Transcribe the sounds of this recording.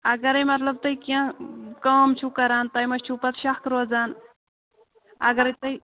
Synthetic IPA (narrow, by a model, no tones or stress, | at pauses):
ɐɡɐɾɐjmɐt̪lɐb̚t̪ɐjkãkaːmt͡ʃʰukɐɾaːnt̪ɐjmɐt͡ʃt͡ʃʰupɐt̪ʃɐxt̪ɾoːzaːn | ɐɡɐɾɐt̪ɐj